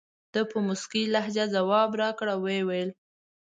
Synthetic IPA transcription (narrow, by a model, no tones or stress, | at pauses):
d̪̥əpəmʊskilaɦd͡ʒazawɑbɾɑkɽawwewajl